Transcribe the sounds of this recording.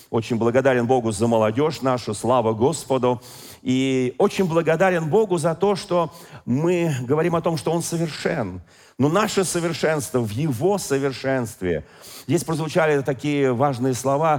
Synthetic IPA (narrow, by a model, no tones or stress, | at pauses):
o̞t͡ɕɪnʲblˠəɡɐd̪aɾʲɪnbo̞ɡʊzəməlˠɐdʲo̞ʂnaʂʊslˠavəɡo̞spəd̪ʊ | io̞t͡ɕɪnʲblˠəɡɐd̪aɾʲɪnbo̞ɡʊzɐt̪o̞ʂt̪omɨɡəvɐɾʲimɐt̪o̞mʂt̪oo̞nsəvʲɪrʂɛnː | onaʂɨsəvʲɪrʂɛnst̪vəvjɪvo̞səvʲɪrʂɛnst̪vʲɪ̰ | zʲdʲesʲpɾəzvʊt͡ɕalʲɪt̪ɐkʲijəvaʐnɨjəslˠɐva